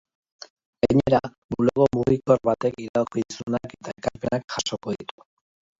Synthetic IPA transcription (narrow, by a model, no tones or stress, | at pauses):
ɡaɲe̞ɾa | muloɣo̞muɣiko̞rβat̪e̞kiɾaokiðisunake̞t̪ae̞kaɾpe̞nakʝaʃo̞ko̞ðit̪u̥